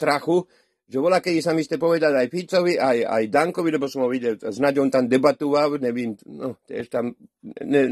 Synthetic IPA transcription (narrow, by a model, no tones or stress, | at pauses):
t̪ɾaxu | ʒɛʋɔlakɛd̪isamist̪ɛpɔʋɛd̪alajfit͡sɔʋiʔaja̰jd̪aŋkɔʋilɛbɔsɔmɦɔʋiɟɛlznaɟɔnt̪amd̪ɛbat̪uʋawɲɛʋimnɔt̪jɛ̰ʃt̪amnɛ